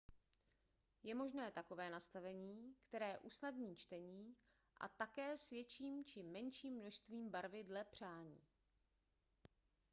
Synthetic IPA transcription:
jɛmo̞ʒnɛːt̪akovɛːnast̪avɛɲiːkt̪ɛɾɛːʔusnadɲiːt͡ʃt̪ɛɲiː | ʔa̰t̪akɛːsvjɛt͡ʃiːmt͡ʃɪmɛnʃiːmːno̞ʃst̪viːmbaɾvɪdlɛpr̝̥aːɲḭː

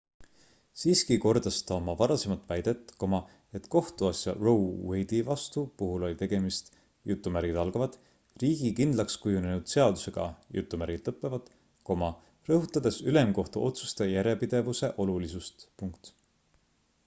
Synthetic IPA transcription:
siːskiko̞rd̪ɑst̪ɑomɑvɑɾɑse̞mɑt̪ːˑvæjd̪̥et̪ːˑko̞mɑ | e̞t̪ko̞ht̪uɑsjɑ̰rowwejd̪̥ivɑst̪upuɦulo̞lit̪e̞ɡ̥e̞mist̪ | jut̪ːˑumæɾɡid̪̥ɑlɡ̥ɑvɑd̪̥ | riːɡ̥ikind̪̥lɑkskujunenud̪̥se̞ɑd̪̥use̞ɡ̥ɑ̰jṵt̪ːˑumæɾɡ̥id̪̥lɤpːˑe̞vɑd̪̥ | ko̞mɑ | rɤɦut̪ːˑɑd̪̥e̞syle̞mko̞ht̪uʔo̞t̪su̥st̪ejæɾepid̪̥e̞vuse̞ʔo̞lulisust̪puŋkt̪

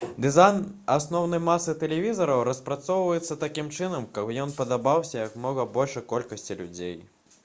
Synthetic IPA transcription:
d̪ɨzajnasnɔwnɐjmasːɨt̪ɛlʲɛvʲizɐɾɐwɾɐspɾat̪sɔwvɐjɛt̪sːɐt̪akʲimt͡ʂɨnɐmkɐpjɔnpɐd̪abawsʲɐjɐkmnɔɣɐbɔlʲʂɐjkɔlʲkɐsʲt͡sʲilʲud͡zʲej

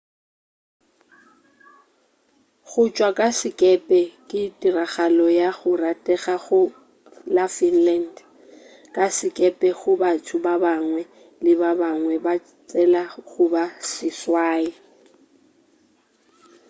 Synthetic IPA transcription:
ɣʊt͡ʃʼwakʼasɪkʼɛpʼɛkʼɪtʼiraɣalɔjaɣʊratʼɛɣaɣʊ | lafinland | kʼasɪkʼɛpʼɛɣʊbatʰʊbabaŋwɛ | lɪbabaŋwɛba | t͡sʼɛlaɣʊbasɪswaːi

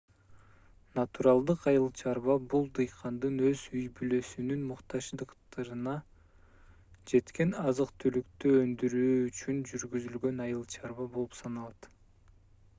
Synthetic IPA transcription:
nat̪uɾɑlˠd̪ɯqɑjɯlˠt͡ʃʰɑɾβɑbulˠd̪ɯjqʰɑnd̪ɯnøzyjbyløsynynmuqt̪ɑʃd̪ɯqt̪ɑɾɯnɑ | d͡ʒe̞t̪ke̞nɑzɯqt̪ʰylykt̪øønd̪yɾyːyt͡ʃynd͡ʒyɾɡyzylɡø̞nɑjɯlˠt͡ʃʰɑɾβɑbo̞lˠupsɑnɑlˠɑt̪

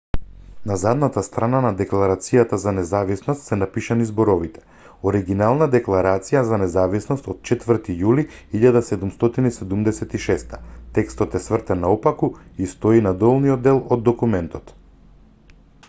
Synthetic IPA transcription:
nazad̪nat̪ast̪ɾananad̪ɛklˠaɾat̪sijat̪azanɛzavisnɔst̪sɛnapiʃanizbɔɾɔvit̪ɛ̥ | oɾiɡinalˠnad̪ɛklˠaɾat̪sijazanɛzavisnɔst̪ot̪̚t͡ʃɛt̪vəɾt̪ijuliiʎad̪asɛd̪umst̪ɔt̪inisɛd̪umd̪ɛsɛt̪iʃɛst̪ḁt̪ɛkst̪ɔt̪ɛsvr̩t̪ɛnːaɔpakuist̪ɔinad̪ɔlˠnijod̪ːɛlˠɔd̪ːɔkumɛnt̪ɔt̪

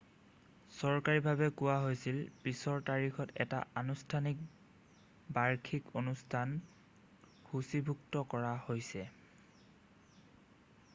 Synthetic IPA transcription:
sɔɹkaɹibʱaβɛkʊwaɦojsilpisɔɹtaɹixʰɔtɛ̰ta̰anustʰanik̚ | baɹkʰikonustʰan | xusibʱuktɔkɔɹahojsɛ

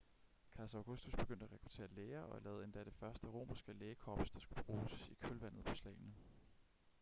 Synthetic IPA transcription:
kʰɑ̈sæʊɡ̥usd̥usb̥e̝ɡ̥øn̰d̥æʁɛkʰʁ̥ut͡sʰe̝̰ːɐleːɐʔɒ̽lɛːð̩ˠe̝nd̥æɾ̥e̝fɶɐsd̥əʁo̝̰ːmɐsɡ̥əleːkʰɒb̥sd̥ɑ̈sɡ̥ub̥ʁuːsikʰølʋæn̰ð̞̩ˠpʰɒ̽slɛ̰ːɪnə

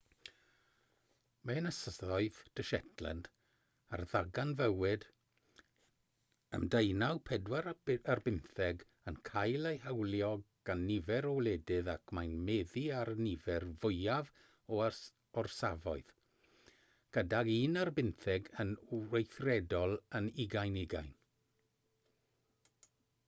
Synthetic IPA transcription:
mɛnəsəðɔɨðd̥əʃɛtʰlə̰nd | a̰rðaɡanvəwɨd | ə̰mdejnawpʰɛdwaɾarbɪnθɛɡ | ənkʰajlˠejhawlˠjɔɡɡ̥anːɪvɛɾɔwlˠɛdɨðakʰmajnmɛðiaɾnɪvɛrvʊjav | ɔ | ɔrsavɔɨð̥ | ɡ̥ədaɡiːnarbɪnθɛɡənejθrɛdɔlˠənɪɡajnɪɡa̰jn

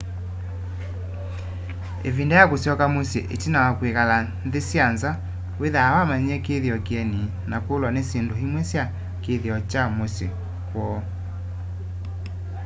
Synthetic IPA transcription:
ḛvindɛjakosjɔkamosḛʔetinawakwekalanðesjanza | weðaːwamaɲɛkeðjɔkɛni | nakolwanesendohimwɛsja | keðjɔt͡ʃamosḛ | kwɔ

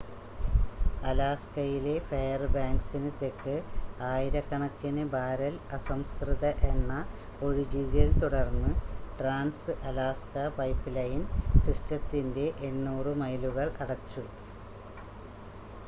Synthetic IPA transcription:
ɐlaːskɐjile̞fejɐrbaːŋɡsinɨt̪ːekːɨaːjiɾɐkːɐɳɐkːinɨbaːɾɐlɐsɐmskriðɐʔe̞nːɐ | oɻid͡ʑiðɐlt̪uɽɐrnːɨʈraːnsɨʔɐlaːskɐpɐjpːilɐjinsistɐt̪ːinde̞ʔeɳːuːrɨmɐjluɣɐɭɐɽɐt͡ɕːu

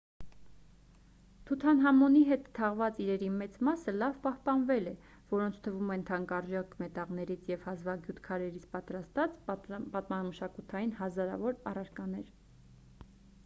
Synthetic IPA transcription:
t̪ʰut̪ʰɑnɦɑmɔniɦɛt̪t̪ʰːɑʁvɑt͡siɾɛɾimɛt͡smɑsəlɑvpɑhpɑnvɛlɛ | vɔɾɔnt͡sʰt̪ʰəvumɛnt̪ʰɑŋkɑrʒɑkmɛt̪ɑʁnɛɾit͡sʰjɛvhɑzvɑɡjut̪kʰɑɾɛɾit͡sʰpɑt̪ɾɑst̪ɑt͡spɑt̪mɑməʃɑkut̪ʰɑjinɦɑzɑɾɑ̰vɔɾɑrɑɾkɑnɛɾ

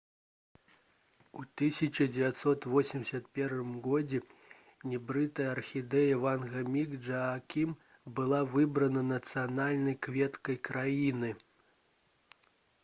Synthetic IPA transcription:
ut̪ɨsʲɐt͡ʃɐd͡zʲɛvʲat̪sɔt̪vɔsʲimʲsʲɐt̪pʲɛrʂɨmɣɔd͡zʲɛ | nʲɛbɾɨt̪ɐjɐɐrxʲid̪ɛjɐvanɣɐmʲiɡd͡ʐɐːkʲim | bɨlˠavɨbɾɐnɐnɐt̪sɨjanalʲnɐjkvʲɛt̪kɐjkɾajinɨ

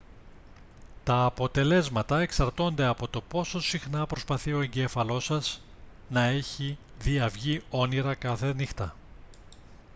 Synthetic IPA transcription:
t̪ɐːpo̞t̪e̞le̞zmɐt̪ɐe̞ksɐɾt̪o̞nd̪e̞ɐpo̞t̪o̞po̞so̞sixnɐpɾo̞spɐθio̞eɲɟe̞fɐlo̞sɐz̥ | nɐe̞çi | ðiɐvʝio̞niɾɐkɐθe̞nixt̪ɐ

